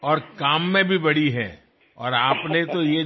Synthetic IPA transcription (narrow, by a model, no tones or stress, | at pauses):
ɔːɾkaːmːẽbʱibɐɽ̤iɦɛ̰ | ɔ̰ːɾaːpnet̪oje